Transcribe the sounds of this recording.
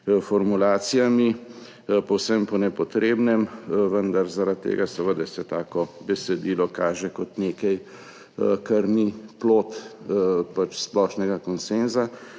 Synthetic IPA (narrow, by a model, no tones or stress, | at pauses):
fɔɾmulaːsijami | pɔwsəmpɔnɛpɔt̪ɾeːbnɛmʋənd̪aɾzaɾat̪ːḛːɡasɛʋəd̪ɛsɛt̪aːkɔbɛsɛd̪iːlɔkaːʒɛkɔt̪neːkɛj | kaɾniploːt̪ | pat͡ʃsplɔːʃnɛɡakɔnsenza